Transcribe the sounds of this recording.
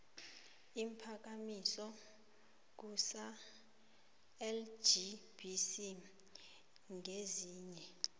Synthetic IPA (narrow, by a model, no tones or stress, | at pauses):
impʰak̬amisɔ | k̬usa | ɛld͡ʒibisi | ŋʱeziːɲɛ